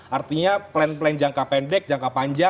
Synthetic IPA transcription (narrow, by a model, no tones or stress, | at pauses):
ʔart̪iɲaplɛnplɛnd͡ʒaŋkapɛndɛk̚d͡ʒaŋkapaɲd͡ʒa